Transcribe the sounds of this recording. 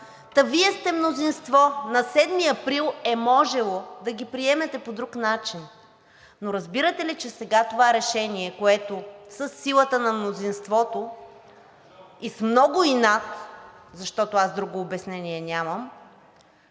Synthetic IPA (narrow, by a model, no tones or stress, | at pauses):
t̪ɐviɛst̪ɛmnozinst̪vɔnɐsɛd̪miɐpɾilˠɛmɔʒɛlˠod̪ɐɡʲipɾiɛmɛt̪ɛpod̪ɾuknat͡ʃin | noɾɐzbiɾət̪ɛlit͡ʃɛsɛɡat̪ovaɾɛʃɛniɛkoɛt̪osəsːilˠət̪ənɐmnozinst̪vɔt̪o | ismnɔɡʊinat̪zɐʃt̪ɔt̪oasd̪ɾuɡoːbɛsnɛniɛnʲaməm